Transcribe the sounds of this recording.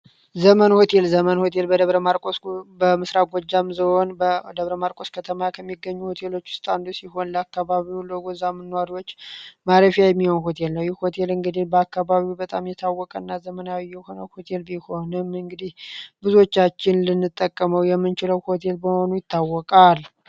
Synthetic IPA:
zəmənho̞t̪ʰe̞lzəmənho̞t̪ʰe̞lbəd̪əβɾəmaɾkʼosbəmɨsɾaɡʷɔd͡ʒːamzɨho̞nd̪əβɾəmaɾkʼo̞skʰət̪ʰəmajakʰəmːiɡːəɲːuho̞t̪ʰe̞lo̞t͡ʃːwʊ̥st̪ʼand̪usiɦo̞nlakːaβaβiwləɡozamːɨnːwaɾiwot͡ʃːmaɾəfijajɛmːihonho̞t̪ʰe̞lnəwjɛho̞t̪ʰe̞lɨŋɡɨd̪ihbəakːaβaβibət̪ʼamjɛt̪ʰawːɔkʼənːazəmənawijːɛho̞nəwho̞t̪ʰe̞lbiho̞nɨmɨŋɡɨd̪ihbɨzuo̞t͡ʃːat͡ʃːɪnlɨnːɨt̪ʼːəkʼːəməwjɛmːɨnt͡ʃɪləwho̞t̪ʰe̞lbəho̞nujɪt̪ːawːɔkʼal

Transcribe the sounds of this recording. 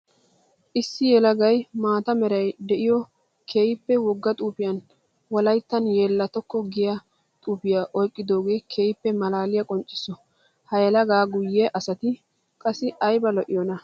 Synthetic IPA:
ʔɪsːɪjɛlɐɡɐjmaːt̪ɐmɛɾɐjd̪ɛʔɪjɔ | kʰeːjɪpːɛwɔɡːɐt̪ʼuːpɪjɐn | wɔlɐjt̪ːɐnje̞ːlːɐt̪ɔkːɔɡɪjɐ | t̪ʼuːpɪjaʔɔjkʼːɪd̪o̞ːɡe̞ːkʰeːjɪpːɛmɐlaːlɪjɐkʼɔnt͡ʃʼːɪ̥sɔ | hɐjɛlɐɡaːɡʊjːeʔɐsɐt̪ɪ | kʼɐsɪɐjbɐlɔʔɪjɔnɐ

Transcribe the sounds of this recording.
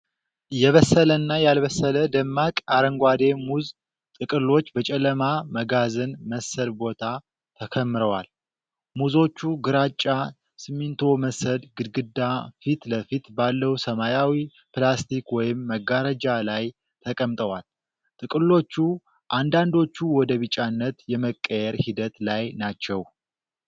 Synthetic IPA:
ɨjɛβəsːələnːajalβəsːələd̪əmːakʼaɾəŋɡʷad̪e̞muz | t̪ʼɨkʼɨlːot͡ʃːbət͡ʃʼɛləmaməɡazɨnməsəlbo̞t̪ʰa | t̪ʰəkʰəmːɨɾəwal | muzo̞t͡ʃːuɡɨɾat͡ʃʼːa | sɨmːint̪ʰo̞məsəd̪ɡɨd̪ɡɨd̪ːafit̪ləfit̪balːəwsəmajawi | plast̪ʰikwɔjɪmːəɡaɾəd͡ʒalaj | t̪ʰəkʼəmt̪ʼəwal | t̪ʼɨkʼɨlːo̞t͡ʃːu | ʔand̪and̪o̞t͡ʃːuwɔd̪əβɨt͡ʃʼːanːət̪jɛməkʼːəjɛɾhid̪ət̪lajnat͡ʃːɛw

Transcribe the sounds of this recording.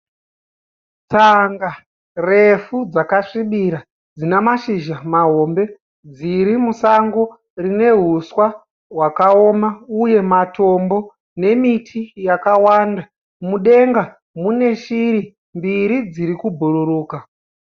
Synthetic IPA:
t͡saŋɡa | re̞fud͡zakaʂiɓiɾa | d͡zinemaʃiʒamaɦo̞mbe̞ | d͡ziɾimusaŋɡo | rine̞ɦuswa | ɦwakao̞mauje̞mato̞mbo̞ | ne̞mitʰijakawanda | muɗe̞ŋɡa | mune̞ʃiɾi | mbiɾid͡ziɾikubʱuɾuɾuːka

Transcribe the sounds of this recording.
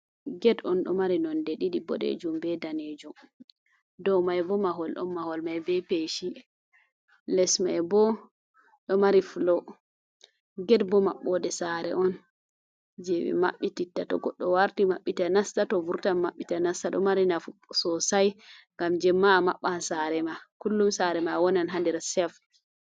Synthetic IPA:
ɡɛdɔnɗɔ̰maɾinɔndɛɗiɗibɔ̰ɗḛd͡ʒumbɛdaned͡ʒum | dɔmajbɔmaɦɔlɗɔ̰nmahɔlmajbɛpeʃi | lɛsmajbɔ | ɗɔmaɾifulɔ | ɡɛdbɔmaɓːɔdɛsaɾɛ̰ʔɔn | d͡ʒewḭma̰ɓːititːatɔ̰ɡɔɗːɔwaɾtimaɓːitanastatɔvuɾtanmːaɓːitanastaɗɔ̰maɾinafusɔsajŋɡamd͡ʒɛmːamaɓːansaɾɛmakulːumsaɾɛmawɔnanɦandɛɾasɛf

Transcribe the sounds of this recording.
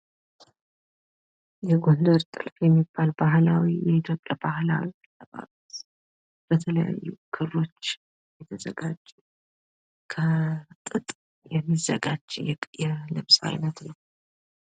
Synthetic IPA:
jɛɡo̞nd̪əɾt̪ʼɨ̰lfjɛmːib̥ːalbahlawijɛit̪ʰjo̞pʼjabahlawi | lːəβa̰lut̪ | b̥ət̪ʰələja̰jːukʰɨrːo̞t͡ʃː | jɛt̪ʰəzə̰ɡad͡ʒu | kʰət̪ʼɨt̪ʼ | jɛmːizəɡad͡ʒjɛlɨβsʼa̰jnət̪nəw

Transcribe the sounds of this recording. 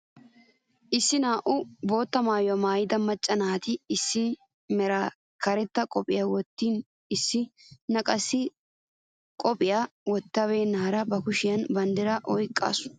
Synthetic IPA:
ʔɪsːɪnaːʔʊbo̞ːt̪ːɐmaːjʊɐmaːjɪd̪ɐmːɐt͡ʃʼːɐnaːt̪ɪːsːɪ | mɛɾa | kɐɾɛt̪ːɐkʼɔpʼɪjawɔt̪ːiːn | ɪsːɪnɐkʼɐsːɪ | kʼɔpʼɪjawɔt̪ːɐbe̞ːnːaːɾɐbɐkʊʃɪjɐnbɐnd̪ɛɾɐʔɔjkʼːa̰ːsʊ̥

